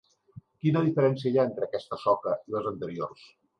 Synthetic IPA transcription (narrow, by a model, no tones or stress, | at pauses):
kinəðifəɾɛnsiəjaent̪ɾəkɛst̪əsɔkəiləzənt̪əɾiors